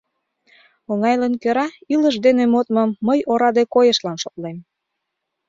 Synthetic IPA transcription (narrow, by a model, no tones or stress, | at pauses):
oŋɑjlənkøɾɑiləʃd̪enemot̪mə̆mːəjoɾɑd̪ekojəʃlɑnʃot̪lem